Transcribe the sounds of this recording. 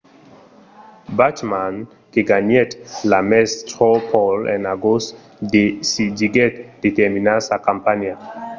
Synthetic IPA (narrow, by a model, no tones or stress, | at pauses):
batman | keɡaɲɛt̪lamɛstɔpʰɔlɛ̰naɡos | desid͡ʒiɡɛt̪d̥̪et̪ɛminasakampanja